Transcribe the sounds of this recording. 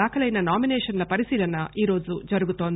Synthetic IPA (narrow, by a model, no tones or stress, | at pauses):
aːkʰɐlɐjnɐnaːminɛːʂɐnlɐpɐɾisiːlɐnɐʔiːɾo̞ːd͡ʒud͡ʒɐɾuɡut̪o̞ːnd̪